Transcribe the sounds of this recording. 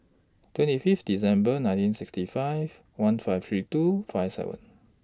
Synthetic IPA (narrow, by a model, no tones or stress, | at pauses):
twɛ̃ntififdisɛ̃mbənãj̃ntĩnsikstifajv | wãnfajft̪ɹitufajfsɛ̰və̰̃n